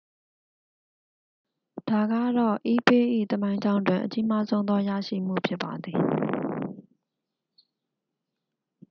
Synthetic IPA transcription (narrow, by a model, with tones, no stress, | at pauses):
d̥a˨ɡä̰˦˨ɾɔ̰˦˨ʔi˦pe˦ʔḭ˦˨t̪əmã˦ɪ̃ɲd͡ʑã˦ʊ̃ndwɪ̃˨ʔət͡ɕi˦ma˦zõ˦ʊ̃nd̪ɔ˦jä̰˦˨ʃḭ˦˨m̥ṵ˦˨pʰjɪ˦pːa˨d̪ði˨